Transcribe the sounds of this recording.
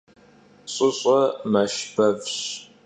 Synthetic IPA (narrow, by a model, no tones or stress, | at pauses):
ɕʼɪɕʼɐmɐʃbɐvɕ